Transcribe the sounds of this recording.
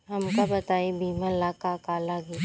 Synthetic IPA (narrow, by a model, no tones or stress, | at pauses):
ɦɐmkabɐt̪aːebʱimãlakakaːlaɡi